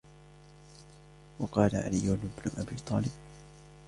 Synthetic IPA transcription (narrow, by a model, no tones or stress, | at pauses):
wɑqɑːlaʕa̰lijːʊnbnʊʔabiːt̪ˤɑːlɪb̚